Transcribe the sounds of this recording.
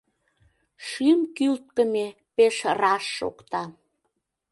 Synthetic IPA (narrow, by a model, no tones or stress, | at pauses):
ʃymkylt̪̚kə̆me | peʃrɑʃːo̰kt̪ɑ